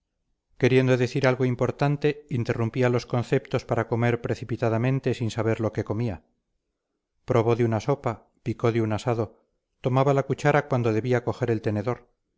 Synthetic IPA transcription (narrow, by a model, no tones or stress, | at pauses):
ke̞ɾje̞nd̪o̞ðeθiɾalɣo̞impo̞ɾt̪ant̪e̞int̪e̞rumpialo̞sko̞nθe̞pt̪o̞spaɾako̞me̞ɾpɾe̞θipit̪aðamẽ̞nt̪e̞sinsaβe̞ɾlo̞ke̞ko̞mia | pɾo̞βo̞ðeunaso̞pa | piko̞ðeunasaðo̞ | t̪o̞maβalakut͡ʃaɾakwan̪d̪oð̞e̞βiako̞xe̞ɾe̞lt̪e̞ne̞ðo̞ɾ